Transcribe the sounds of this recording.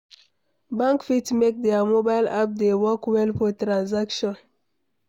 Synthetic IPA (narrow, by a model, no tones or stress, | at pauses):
bãŋkfitmek̚dɛamobaɪlap̚dewɔkwɛlfɔtɹãnzakʃɔ̃n